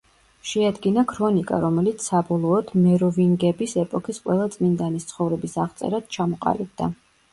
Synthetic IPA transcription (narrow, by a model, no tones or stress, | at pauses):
ʃɛad̪ɡinakʰɾɔnikʼa̰ɾɔmɛlit̪sʰsabɔlˠɔːd̪mɛɾɔviŋɡɛbisɛpʼɔkʰisqʼwɛlˠat̪sʼmind̪anist̪sʰχɔvɾɛbisaʁt̪sʼɛ̰ɾad̪̥̚t͡ʃʰamɔqʼa̰lib̚d̪a